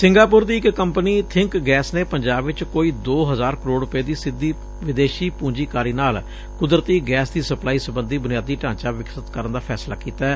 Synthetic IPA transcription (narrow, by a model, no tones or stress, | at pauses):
sɪŋɡaːpʊɾd̪iːɪkːəmpəniːt̪ʰɪŋkɡɛːsneːpəɲd͡ʒaːbʋɪt͡ʃkoːiːd̪oːɦəzaːɾkəɾoːɽʊpeːd̪iːsɪd̪ːiː | ʋɪd̪eːʃiːpũːɲd͡ʒiːkaːɾiːnaːl | kʊd̪ɾət̪iːɡɛːsd̪iːsəplaːiːsəbənd̪iːbʊnijaːd̪iːʈãːt͡ʃaːʋɪksət̪kəɾənd̪aːpʰɛːslaːkiːt̪aɛː